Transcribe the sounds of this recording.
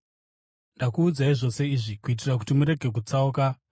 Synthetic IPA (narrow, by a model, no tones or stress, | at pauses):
ndakuːd͡zaiʐo̞se̞iʐikuit̬irak̬utimuɾe̞ɡʱe̞k̬ut͡sauka